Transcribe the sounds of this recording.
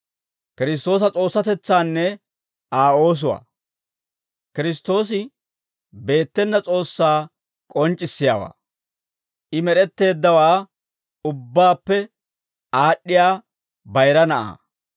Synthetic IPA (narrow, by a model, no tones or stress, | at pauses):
kɪɾɪs̬t̪o̞ːs̬ɐt͡sʼo̞ːsːɐt̪ɛt͡sːaːnːɛ | aːo̞ːs̬ʊwa̰ː | kɪɾɪs̬t̪ːo̞ːs̬ɪ | be̞ːt̪ːɛnːɐt͡sʼo̞ːsːaː | kʼɔnt͡ʃʼːɪsːɪja̰ːwa̰ː | ʔɪmɛɾɛt̪ːe̞ːd̪ːɐwaː | ʊbːaːpːɛ | aːɗːɪjaː | bɐjɾɐnɐʔa̰ː